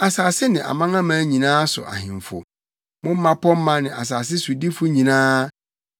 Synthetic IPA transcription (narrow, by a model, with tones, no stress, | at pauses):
a˨saː˨sɪ˦nɪ̃˨ʔa̰˨mã˦ŋã˦mã˨˦ɲĩ˨nãː˦sʊ̰˨ʔa̰˨hɪ̰̃˨m˨fʊ̰˨ | mʊ̃˦m̩ː˦ã˦pʰɔ˦m̩˦mã˦nɪ̃˨ʔa̰˨s̬aː˨s̬ɪ˦su˨di˦fʊ˦ɲĩ˨nãː˦